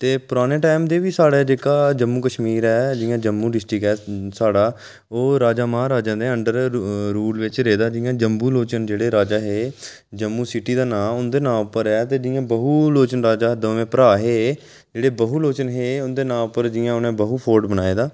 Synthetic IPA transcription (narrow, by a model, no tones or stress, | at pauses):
t̪eːpʊɾaːneːʈaːɪmd̪eːʋiːsaːɽeːd͡ʒeːkaːd͡ʒəmːuːkəʃmiːɾɛːd͡ʒɪjãːd͡ʒəmːũːɖɪsʈɾɪkɛːsaːɽaː | oːɾaːd͡ʒaːmãːɾaːd͡ʒãːd̪ẽəɳɖəɾɾuːlʋɪt͡ʃɾeːd̪aːd͡ʒɪjãːd͡ʒəmbuːloːt͡ʃənd͡ʒeːɽeːɾaːd͡ʒaːɦeː | d͡ʒəmːuːsɪʈiːd̪aːnãːʊnd̪eːnãːpːəɾɛːt̪eːd͡ʒɪjãːbəɦuːloːt͡ʃənɾaːd͡ʒaːd̪əːʋẽːpəɾaːɦeː | d͡ʒeːɽeːbəɦuːloːt͡ʃənɦeːʊnd̪eːnãːʊpːəɾd͡ʒɪjãːʊnẽːbəɦuːpʰoːɾɖbənaːeːd̪aː